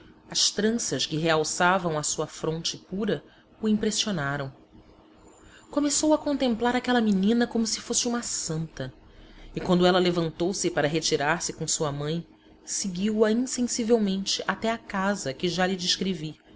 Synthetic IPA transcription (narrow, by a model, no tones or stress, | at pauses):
ɐʃt̪ɾɐ̃sɐʃkɪɦeawsavɐ̃w̃ɐsuɐfɾõnt͡ʃɪpuɾɐ | uĩpɾesionaɾɐ̃w̃ | komesowɐkõnt̪ẽmplaɾakɛlɐminĩnɐkõmʊsɪ̥fosɪũmɐsɐ̃nt̪ɐ | ɪkwɐ̃nd̪ʊɛlɐlevɐ̃nt̪owsɪpaɾɐɦet͡ʃiɾaɾsɪkõw̃suɐmɐ̃j̃ | seɡiwɐĩsẽsivewmẽnt͡ʃɪʔat̪ɛakazɐkɪʒalɪd͡ʒiʃkɾevi